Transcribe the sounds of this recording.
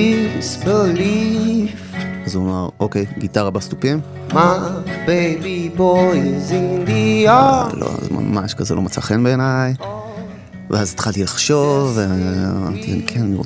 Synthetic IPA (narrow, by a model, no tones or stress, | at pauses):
isveli | azuamaʁʔokejɡitaʁabast̪upim | mabejbiboizind̪ialo̰a̰zma̰maʃkazelo̞met͡saχenbeenaj | veazit̪χalt̪ilaχʃo̞veamaʁt̪ia̰nikʰenniʁo̰